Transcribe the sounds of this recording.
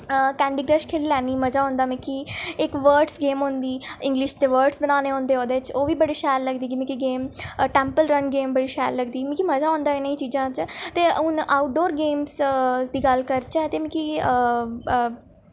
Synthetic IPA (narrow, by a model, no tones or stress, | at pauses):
kɛːɳɖiːɡɾəʃkʰeːlilɛːniːməd͡ʒaːɦʊ̃ːnd̪aːmɪ̃kiːɪkʋəːɾʈsɡeːmɦʊ̃nd̪iːɪ̃ŋɡlɪʃt̪eʋəːɾʈsbənaːneːɦõːnd̪eːoːd̪eːt͡ʃoːʋiːbəɽeːʃɛːlləɡd̪iːkɪmĩkiɡeːmʈɛ̃ːmpəlɾənɡeːmbəɽiːʃɛːlːəɡd̪iːmĩkiməd͡ʒaːɦʊ̃ːnd̪aːɪnaiːt͡ʃiːd͡ʒãːt͡ʃt̪eːʊnaːʊʈ̚ɖoːɾɡeːmsd̪iːɡəlkəɾt͡ʃaɛt̪eːmɪ̃ki